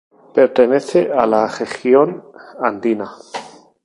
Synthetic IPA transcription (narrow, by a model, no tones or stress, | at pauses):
pe̞ɾt̪eneθeʔalaɣesjonand̪ina